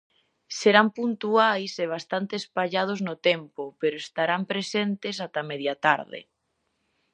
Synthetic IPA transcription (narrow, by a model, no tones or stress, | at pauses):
seɾampunt̪uajseβ̞ast̪ant̪espaʎað̞oznʊt̪ɛmpʊpeɾʊest̪aɾampɾesent̪es̬at̪amɛðjat̪a̰ɾðḛ